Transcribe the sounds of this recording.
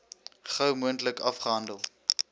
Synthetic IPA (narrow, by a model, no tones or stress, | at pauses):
χəwmuəntləkɐfχəɦɐndəlˠ